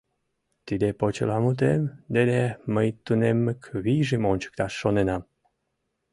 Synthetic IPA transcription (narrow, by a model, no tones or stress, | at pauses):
t̪id̪epot͡ɕə̰lɑmut̪̬emd̪ed̪eməjt̪unemːəkβiʒimonʲt͡ɕə̥k̚t̪ɑʃːonenɑm